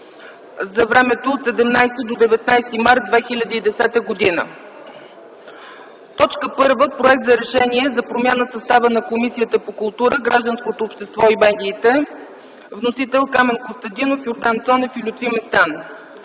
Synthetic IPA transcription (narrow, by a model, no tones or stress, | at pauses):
zɐvɾɛmɛt̪oːt̪sɛd̪ɛmnajst̪əd̪od̪ɛvɛt̪najst̪imaɾt̪̚d̪vɛxilʲəd̪əid̪ɛsɛt̪əɡod̪inə̰ | t̪ɔt͡ʃkəpɤɾvəpɾoɛk̚t̪zɐɾɛʃɛniɛzɐpɾomʲjanəsɐst̪avənɐkomisijət̪əpokʊlˠt̪uɾəɡɾaʒd̪ənskot̪oːpʃt̪ɛst̪vɔibɛnd̪ʲiːt̪ɛ | vnosit̪ɛlˠkamɛnkost̪ɐnd̪inofjoɾd̪ant̪sɔnɛfilʲut̪vimɛst̪an